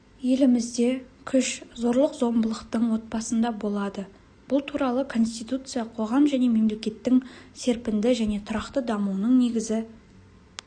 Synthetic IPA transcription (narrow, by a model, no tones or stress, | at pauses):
je̞lɪmɪzd̪e̞kʲʰʏʃzo̞ɾlˠəqzo̞mbəlˠəqt̪əɴwo̞t̪̚bɑsənd̪ɑbo̞lˠɑd̪ə | b̥ʊlˠt̪ʰuɾɑlˠəkʰo̞nst̪ijt̪ut̪sɨjɑqʰo̞ʁɑmʒæne̞me̞mle̞kʲe̞t̪ːɪŋse̞ɾpɪnd̪ɪʒæne̞t̪ʰʊɾɑqt̪əd̪ɑmuənəɴne̞ɡʲɪzɪ